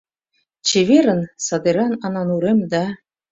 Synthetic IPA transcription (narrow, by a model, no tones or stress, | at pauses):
t͡ɕeβʲeɾɘ̆nsɑd̪eɾɑnɑnɑnuɾemd̪ɑ